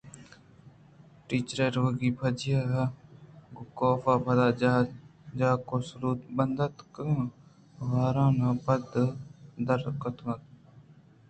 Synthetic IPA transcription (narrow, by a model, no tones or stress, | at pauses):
ʈiːt͡ʃɾeːɾoːɡiːpʰəd͡ʒɪjaː | ɡokoːfaːbɐd̪aː | d͡ʒaːkoːsɾuːt̪bənd̪ət̪kə | ʋaːɾãːnãbəd̪d̪əɾkət̪nət̪